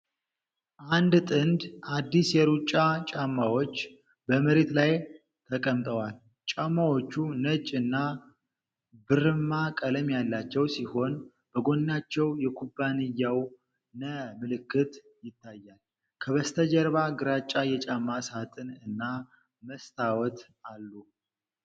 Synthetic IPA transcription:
ʔand̪t̪ʼɨnd̪ʔad̪ːisjɛɾut͡ʃʼːat͡ʃʼamːawo̞t͡ʃː | bəməɾe̞t̪laj | t̪ʰəkʼəmt̪ʼəwal | t͡ʃʼamːawo̞t͡ʃːunət͡ʃʼɨnːa | bɨɾɨmːakʼələmjalːat͡ʃːɛwsiho̞n | b̥əɡo̞nːat͡ʃːɛwjɛkʰubːanɨjːaw | nəmɨlɨkːɨt̪ | jɪt̪ʰːajːal | kʰəβəst̪ʰəd͡ʒɛɾβaɡɨɾat͡ʃʼːajɛt͡ʃʼamːasat̪ʼɨnɨnːa | məst̪ʰawɔt̪ | alːu

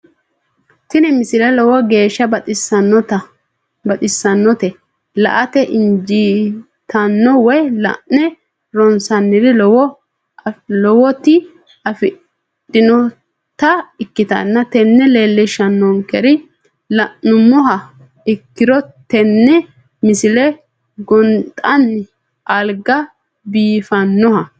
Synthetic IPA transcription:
t̪ɪnɛmɪsɪlɛlɔwɔɡe̞ːʃːɐbɐɪsɐnːɔt̪ɐ | bɐt̪ʼɪsːɐnːɔt̪ɛ | lɐ̰ʔɐt̪ɛʔɪnd͡ʒiː | t̪ɐnːɔwɔjlɐ̰ʔnɛ | ɾɔnsɐnːɪɾɪlwɔ | lɔwɔt̪ɪ | ɐfɪ | dɪnɔ | t̪ɐɪkːɪt̪ɐ̰nːɐt̪ɛnːɛle̞ːlːɛʃɐnːɔŋkɛɾɪ | lɐʔnʊmɔɦɐ | ɪkːɪɾɔt̪ɛnːɛ | mɪsɪlɛ | ɡɔnt̪ʼɐnːɪ | ɐlɡɐ | biːfɐnːɔhɐ

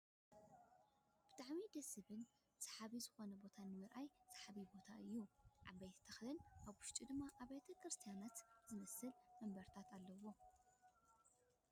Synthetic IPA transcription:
b̥ɨt̪ʰʼaʕmid̪ɐsɨβɨn | sḁħaβizɨxo̞nɐbo̞t̪ʰanɨmɨɾʔajsḁħaβibo̞t̪ʰaʔɨjːuʕa̰bɐjt̪ʰt̪ʰɐxlɨnʔaβwʊʃt̪ʼid̪ɨmːaʔaβet̪ʰɐkɾɨst̪ʰijanat̪zɨmɐsɨlmɐmbɐɾt̪ʰat̪ʰalːɐwo̞

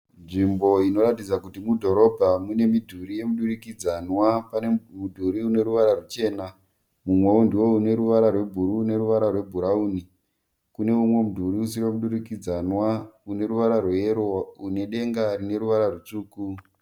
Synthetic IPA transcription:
nʐimbo̞ino̞ɾatid͡zakutimudʱo̞ɾo̞bʱamune̞midʱuɾije̞muɗurikid͡zanwapanemudʱuɾiune̞ɾuʋaɾarut͡ʃe̞ːna | mumwe̞undiwo̞une̞ɾuʋaɾarwe̞bʱuɾuːne̞ɾuʋaɾarwe̞bʱuɾauːni | kune̞umwe̞mudʱuɾius̬iremuɗuɾikid͡zanwaune̞ɾuʋaɾarweeɾoune̞ɗe̞ŋɡarine̞ɾuʋaɾarut͡ʂuːku

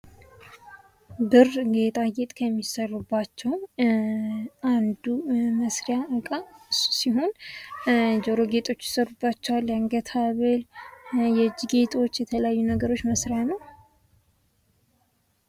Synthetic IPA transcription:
bɨrɡet̪ʼajet̪ʼkʰəmːisərubːat͡ʃːɛw | and̪uməsɾejaɨkʼːaɨ̥siɦo̞n | d͡ʒoɾo̞ɡe̞t̪ʼo̞t͡ʃːjɪ̥sərubːat͡ʃːɛwalːjaŋɡət̪ʰaβəljɛd͡ʒːiɡe̞t̪ʰʼo̞t͡ʃːjɛt̪ʰələjajːunəɡəɾo̞t͡ʃːməsɾejanəw

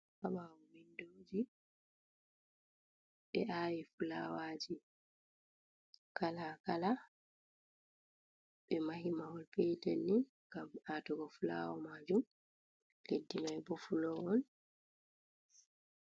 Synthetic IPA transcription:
kamawumindoːd͡ʒi | ɓɛʔaːwifulawaːd͡ʒi | kalakala | ɓɛmaɦimawɔlpejtɛnːi | ɡamatɔɡɔfula̰wɔmaːd͡ʒum | ledːimajbɔfulɔɔn

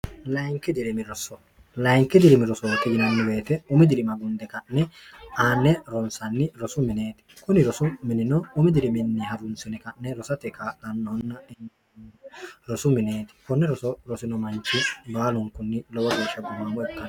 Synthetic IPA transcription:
lɐjŋkːɪd̪ɪɾɛmɪɾɔsɔ | lɐjŋkːɛd̪ɪɾɛmɪɾɔsɔkːɪd͡ʒɪnɐnːɪbe̞ːt̪ɛʊmɪd̪ɪɾɪmɐɡʊnd̪ɛkɐʔnɛaːnːɛɾɔnsɐnːɪɾɔsʊmɪneːt̪ɪ̥kʊnɪɾɔsʊmɪnɪnɔʊmɪd̪ɪɾɪmɪnːɪɦɐɾʊnsɪnɛkɐʔːɛɾɔsɐt̪ɛkalɐnːɔɔnːɐ | ɾɔsʊmɪneːt̪ɪ̥kɔnːɛɾɔsɔɾɔsɪnɔmɐnt͡ʃːɪbaːlʊŋkʊnːɪlɔwɐɡiːʃɐɡʊmːɐmɔɛkːɐn

